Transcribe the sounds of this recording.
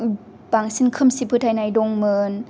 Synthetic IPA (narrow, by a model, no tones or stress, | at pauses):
paŋsinkʰɯmsipʰɯːt̪ʰajnajdoŋmɤːn